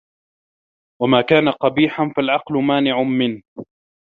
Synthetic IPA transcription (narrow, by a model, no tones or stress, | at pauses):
wamaːkaːnaqɑbiːħanfalʕɑqlʊmaːnɪʕamɪn